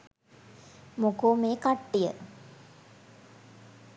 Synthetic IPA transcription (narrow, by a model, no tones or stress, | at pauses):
mokoːmeːkaʈːijə̰